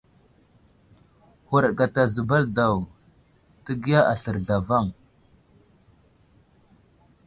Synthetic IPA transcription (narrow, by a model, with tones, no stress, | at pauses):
hu˨ɾɡa˨ta˨zə˨ba˦lda˨w | tə˦ɡi˦ja˦ʔa˨ɬə˨ɾɮa˨va˦˨ŋ